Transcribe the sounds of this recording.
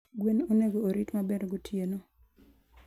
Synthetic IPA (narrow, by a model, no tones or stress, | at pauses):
ɡwenoneɡoːɾitmabeɾɡotʰjeno